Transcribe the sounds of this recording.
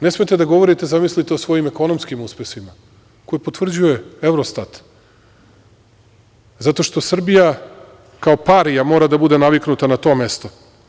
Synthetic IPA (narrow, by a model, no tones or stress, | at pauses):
nesmet̪e̞d̪aɡo̞ʋo̞ɾit̪ezamislit̪eo̞sʋo̞jimeko̞no̞mskimuspesima | ko̞jepo̞t̪vr̩d͡ʑuje̞evɾost̪at̪ | zat̪o̞ʃt̪o̞sr̩bija | kaopaɾijamo̞ːɾad̪abud̪e̞naʋiknut̪anat̪o̞me̞st̪o